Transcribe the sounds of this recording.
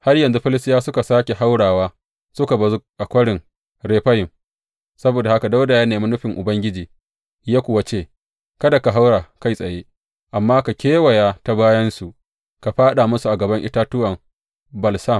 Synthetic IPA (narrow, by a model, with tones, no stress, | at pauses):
ha˦rjɐ˨nzu˦ɸɪ˦lɪ˦stɪ˦jaː˦sʊ˦ka˨saː˦kʲe˨ɦa˦wɽaː˨waː˦ | sʊ˦ka˨bɐ˨zu˦ʔa˨kʷɐ˦ɽɪ˨ŋ | ɾeː˨ɸɐ˦jɪ˨m | sɐ˦boː˨da˨ha˦ka˨da˦wda˨jaː˦neː˨mi˦nʊ˦ɸɪ˨ŋʔʊ˨bɐ˦ŋɡʲɪ˦d͡ʒiː˨ | jaː˦kʷʊ˨wa˦t͡ʃeː˦˨ | kɐ˦da˨ka˨ɦa˦wɽaː˨ka˦˨jsʼɐ˨jeː˦ | ʔa˨mːaː˦ka˨kʲeː˦wɐ˨jaː˦ta˦baː˦jɐ˦nsu˨ʔ | ka˨ɸaː˦ɗa˨mʊ˦su˨ʔa˨ɡɐ˨bɐ˦ŋʔɪ˦taː˦tʊ˦wɐ˨m | bɐ˨lsa˦˨m